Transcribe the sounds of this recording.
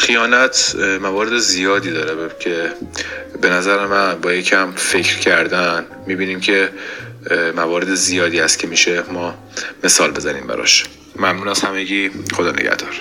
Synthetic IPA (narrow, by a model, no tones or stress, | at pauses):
xijɒːnæt̪ʰmævɒːɾe̞d̪ezijɒːd̪iːd̪ɒːɾecʰe̞ | be̞næzæɾemænbɒːjecʰæmfe̞cʰɾcʰæɾd̪æn | miːbiːniːmcʰe̞ | mævɒːɾe̞d̪ezijɒːd̪iːhæst̪̚cʰe̞miːʃemɒː | me̞sɒːlbe̞zænḭːmbæ̰ɾɒ̰ʃ | mæmnuːnæshæmeɡiːxod̪ɒːneɟæ̰hd̪ɒːɾ̥